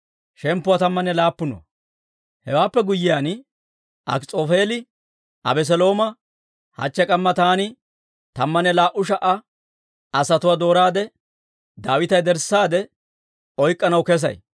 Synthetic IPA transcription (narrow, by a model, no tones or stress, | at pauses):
ʃɛmpːʊwaːt̪ɐmːɐnɛlaːpːʊnɔ̰ | hɛwaːpːɛɡʊjːɪjaːn | ɐ̰kt͡sʼoːfeːlɪ | ʔɐ̰bɛs̬ɛlo̞ːmɐ | hɐ̰t͡ʃːɛkʼɐmːɐt̪aːnɪ | t̪ɐmːɐnɛlaːʔʊʃ̬ɐʔɐ | ɐsɐt̪ʊwaːd̪o̞ːɾaːd̪ɛ | d̪aːwɪt̪ɐjd̪ɛɾsaːd̪ɛ | ɔjkʼːɐnɐwkɛs̬ɐ̰j